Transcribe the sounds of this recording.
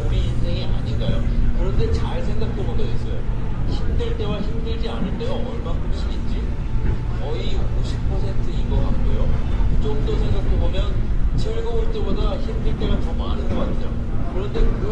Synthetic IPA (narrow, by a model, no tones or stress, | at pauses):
oɾiinsʰe̞ŋiʔa̰ɲinɡajokɯɾʌnde̞t͡ɕaɭsʰe̞ŋɡak̚t͈oboɡʌis͈ʌjoçimdɯɭt͈e̞waçimdɯɭd͡ʑianɯɭt͈edoʌɭmankoɕʰiɡind͡ʑi | kʌioɕʰipʰʌsʰe̞ntʰɯinɡʌk͈a̰k͈ojo̰akd͡ʑʌŋdosʰe̞ŋɡak̚t͈obomjʌnt͡ɕʰeɭɡʌot͈ebodaçimdɯɭt͈e̞ɡat͡ɕʌma̰nɯnɡʌk͈atʰejokɯɾʌnde̞kɯ